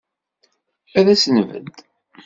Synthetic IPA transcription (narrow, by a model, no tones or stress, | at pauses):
æðæsənvə̰d̪